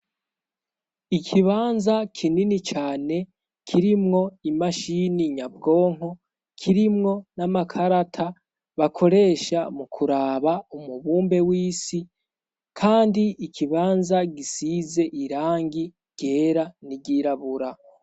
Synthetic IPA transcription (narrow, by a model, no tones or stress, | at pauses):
ikʰiβaːnzakʰininit͡ʃaːne̞ | kʰiɾimŋo̞imaʃiniɲab̚ɡo̞ːŋ̥ɦo̞ | kʰiɾimŋo̞namakʰaɾatʰa | βakʰo̞ɾe̞ʃamukʰuɾaːβaumuβuːmbe̞wiːsi | kʰaːndiːkʰiβaːnzaɡisize̞ʔiɾaːŋɡi | ɟ̥e̞ːɾaniɟiɾaβuɾa